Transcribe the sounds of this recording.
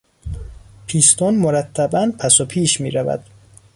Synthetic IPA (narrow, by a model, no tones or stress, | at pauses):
pʰiːst̪ʰɔnmoɾæt̪ʰːæbænpʰæsopʰiːʃmiːɾævæ̰d̪̥